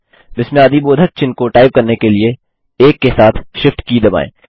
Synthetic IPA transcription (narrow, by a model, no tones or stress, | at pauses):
bɪsmijaːd̪iboːd̪ʱək̚t͡ʃɪnkoʈaːɪb̚kɐɾnekelie | eːkːesaːt̪ʰʃɪfʈkid̪ɐba̰ːḛ̃ː